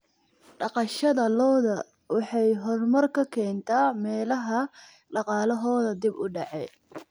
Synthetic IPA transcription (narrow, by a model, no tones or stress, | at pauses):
ɖɑqɑʃɐðɐlɔːðɐ | wɑħɑjɦɔrmɐrkʰɐkʰɛːnt̪ʰaːmɛːlɐɦɐ | ɖɑqɑːlɐɦɔːðɐd̪ɪbʊɖɑʕɛj